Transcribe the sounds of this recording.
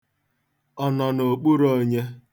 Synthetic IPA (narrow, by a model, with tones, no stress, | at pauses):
ɔ˨nɔ˨no˨k͡pu˦ɾo˦ɲe˦